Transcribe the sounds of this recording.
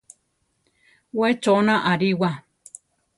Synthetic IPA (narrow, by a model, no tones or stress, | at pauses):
wet͡ʃonãʔaɾiwa